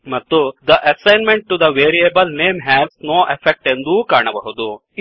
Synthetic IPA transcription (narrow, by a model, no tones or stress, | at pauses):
mɐt̪ːud̪ɐʔɐsajnmẽɳʈ̚ʈːud̪ɐʋeːɾiebɐlneːmɦɛːznoːʔefʰek̚ʈend̪uːkaːɳɐbɐ̰ɦud̪u